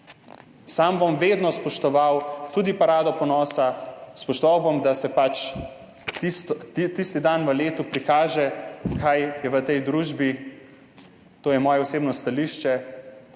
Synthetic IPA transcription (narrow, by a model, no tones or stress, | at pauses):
sambomʋeːd̪nɔspɔʃt̪ɔʋawt̪uːd̪ipaɾaːd̪ɔpɔnɔːsaspɔʃt̪ɔʋawbomd̪asɛpat͡ʃ̪ | it̪ist̪id̪anʋəleːt̪upɾikaːʒɛkʰajjɛʋət̪ɛjd̪ɾuːʒbi | t̪oːjɛmɔːjɛɔseːbnɔst̪aliːʃt͡ʃɛ